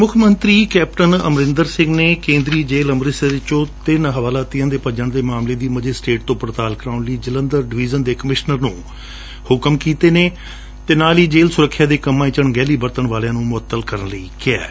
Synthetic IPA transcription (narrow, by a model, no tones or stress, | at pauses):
mʊkʰmənt̪ɾiːkɛːpʈənə̰mɾɪ̃nd̪əɾsɪ̃ŋɡneːkẽːnd̪ɾiːd͡ʒeːləmɾɪsəɾɪt͡ʃõːt̪ɪnɦəʋaːlaːt̪ijãːd̪eːpəd͡ʒəɳd̪eːmaːmleːd̪iːməd͡ʒeːsʈeːʈ̚t̪õːpɾət̪aːlkɾaːʊnliːd͡ʒələnd̪əɾɖɪʋiːd͡ʒənd̪eːkəmɪʃnəɾnũː | hʊkəmkiːt̪eːneː | t̪eːnaːliːd͡ʒeːlsʊɾəkʰːjaːd̪eːkəmːãːɪt͡ʃəɳɡɛːliːbəɾt̪əɳʋaːljãːnũːmʊət̪ːəlkəɾənləiːkɪɛ̰ː